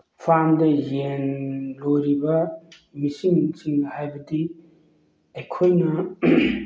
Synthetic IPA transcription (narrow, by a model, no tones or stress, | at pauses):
pʰamdɐjenlojɾibɐ | misiŋsiŋhajbɐdi | ɐjkʰojnɐ